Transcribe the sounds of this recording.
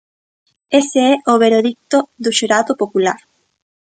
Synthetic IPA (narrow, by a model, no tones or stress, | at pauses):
eseɛʔoβeɾeðik̚t̪oðuʃuɾaðopopula̰ɾ